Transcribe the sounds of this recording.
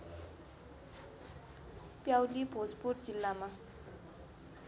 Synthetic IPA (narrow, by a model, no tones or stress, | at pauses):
pjawlibʱod͡zpuʈ̚d͡zilːama